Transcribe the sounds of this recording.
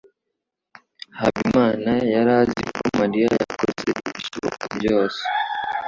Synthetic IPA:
haβimaːnajaɾazikomaɾiajakozḛiβiʃoβo̰kabɟo̞ːse̥

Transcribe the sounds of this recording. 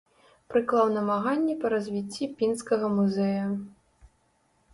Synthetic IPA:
pɾɨklˠawnɐmaɣanʲːɛpɐɾɐzʲvʲit͡sʲːipʲinskɐɣɐmuzɛjɐ

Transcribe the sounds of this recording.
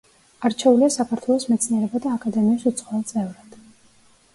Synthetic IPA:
aɾt͡ʃʰɛuliasakʰaɾt̪ʰwɛlˠɔsmɛt̪sʰniɛɾɛbad̪aːkʼad̪ɛmiasut̪sʰχʼwɔvɛlˠt̪sʼɛvɾad̪̥

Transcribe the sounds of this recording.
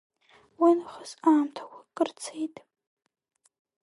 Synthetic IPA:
winɨχəzaːmtʰḁwʷakʼɨrt͡sʰejtʼ

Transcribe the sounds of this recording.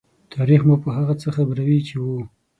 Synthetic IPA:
t̪ʰɑɾixmupəɦaɣat͡səxabɾawit͡ʃewu

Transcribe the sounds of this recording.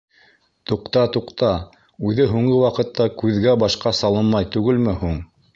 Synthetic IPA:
t̪uqt̪ɑt̪uqt̪ɑ | ʉðɘɦuɴɢɤwɑqɤ̆t̪ːɑkʉðɡæbɑʃqɑsɑlˠɤnmɑjt̪ʉɡɘlmɘhuɴ

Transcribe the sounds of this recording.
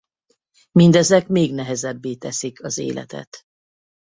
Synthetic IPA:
mind̪ɛzɛkmeːɡnɛɦɛzɛbːeːt̪ɛsikʰɒzḛːlʔɛ̰t̪ɛ̰t̪

